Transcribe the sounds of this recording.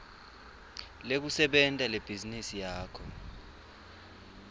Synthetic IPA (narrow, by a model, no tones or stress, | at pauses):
lek̬usɛɓɛntʼaleb̥ʱizinisijaːkʰɔ